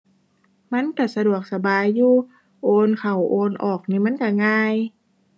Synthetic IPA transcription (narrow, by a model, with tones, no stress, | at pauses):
ma˦˧˥nkaː˧˩sa˧du˨˩ək̚sa˧baː˨jːuː˧˩ | ʔoː˧nkʰa˨˩wʔoː˧nʔɔː˨˩k̚ni˧˩ma˧˥˨nka˧˩ŋaː˧j